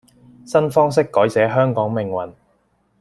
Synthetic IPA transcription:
sɐ˥nfɔː˥ŋs̬ɪ˥kːɔː˨˥jt͡sɛː˨˥ɦœː˥ŋkɔː˨˥ŋmɪ˨ŋwɐ̰˨˩n

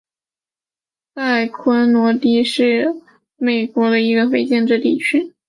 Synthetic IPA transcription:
ta˥˩ɪkʰwə˥nnwɔ˧˥t̪i˥˩ʂɻ̩˥˩ | me˨˩ɪkwɔ˧˥d̪ə˧i˧˥ɡə˧fe˥ɪt͡ɕjɛ˥˧nʈ͡ʂɻ̩˥˧t̪i˥˩t͡ɕʰy˥

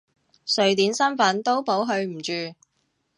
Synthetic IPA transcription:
sɵ˨ɥt̪iː˨˥nsɐ˥nfɐ˨˥nt̪o˥wpo˨˥wɦɵ˧ɥm̩˨˩t͡ʃyː˨

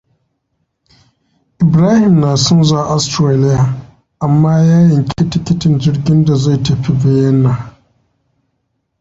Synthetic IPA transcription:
ʔɪ˨bɾaː˦hɪ˨mnaː˨sʊ˦nzaː˦˨ʔa˦stɾaː˦lɪ˦jaː˨ | ʔa˨mːaː˦jaː˦jɪ˨ŋkʲe˦tɪ˦kʲɪ˦tɪ˨nd͡ʒɪ˦rɡʲɪ˦nda˨za˦˨tɐ˨ɸi˦bɛ˦jɐ˦nːa˨

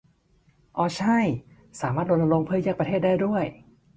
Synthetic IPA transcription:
ʔɔː˧˩t͡ɕʰa˥˩j | saː˩˦maː˥˩t̪̚ɾo˧nla˧lɾo˧ŋpʰɯː˥˩˨jaː˥˩kpɾa˧t̪ʰeː˥˩t̪̚daː˥˩jdu˥˩əj

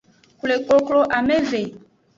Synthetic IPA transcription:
ku˨le˨ko˦klo˦ʔa˨me˦ve˨

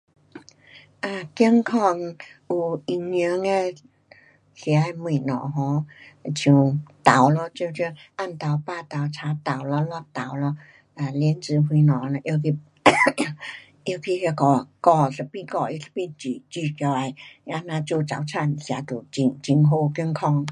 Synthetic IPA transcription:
ʔa˨˩ki˧˦ŋkʰɔ˧˩ŋʔu˧i˧ŋɲə˧˦ŋɛ˧ | si˧˦a˧˩mi˧˩˨nɔ̰˨ɦɔ̃˧˦˧t͡ɕʰi˧˨t̪a˨˦wlɔ˧t͡ɕi˧t͡ɕi˧ʔa˧˩˨nt̪a˨˦wpaː˧˨t̪a˨˩wt͡sʰaː˧˦t̪a˨˩wlɔ˧lɔ˧t̪a˨˦wlɔ˧ | a˧˨˩li˧ənt͡sɨ˨˧˦ɦi˧nɔ˨la˧ʔi˧ki˧ | ʔi˧kʰi˧hi˧kɔ˧˩kɔ˧˩sə˧pi˧kɔ˧˩ʔi˧spi˧nt͡ʃi˧˨t͡ʃi˧˩ka˧wa˧˩ja˧naː˧t͡ɕu˧t͡sa̰˨˦wt͡sʰa˧˩˨nsi˨a˨˧˦t̪u˨t͡ɕi˧ŋt͡ɕi˧˦ŋɦo˧ki˧ŋkʰɔ˧ŋ

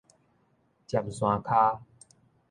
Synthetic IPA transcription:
t͡ɕja˨˩mswã˨˦kʰaː˦

